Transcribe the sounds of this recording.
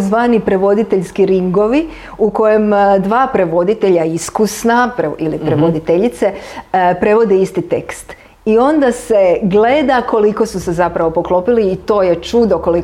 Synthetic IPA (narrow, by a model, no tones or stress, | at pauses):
zʋaːnipɾe̞ʋo̞d̪it̪eʎskiɾiŋɡo̞ʋi | uko̞je̞md̪ʋaːpɾe̞ʋo̞d̪it̪eʎaiskusnapɾeilipɾeʋod̪it̪eʎit̪se̞pɾe̞ʋo̞d̪eist̪it̪e̞̰kst̪ | io̞nd̪ase̞ɡle̞d̪ako̞liko̞suse̞zapɾaʋo̞po̞klo̞piliːt̪o̞ːje̞t͡ʃud̪oko̞li